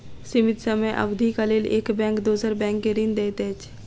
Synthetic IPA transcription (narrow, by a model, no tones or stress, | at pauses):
sɪmɪt̪səməjʔɐ̰bd̪ʱikɐlelḛːkbɛ̃ːŋkd̪oːsəɾbɛ̃ːŋkeɾind̪eːt̪et͡ʃ